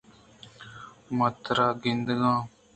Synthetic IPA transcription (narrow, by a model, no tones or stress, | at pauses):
mət̪ɾaːɡɪnd̪ɡãː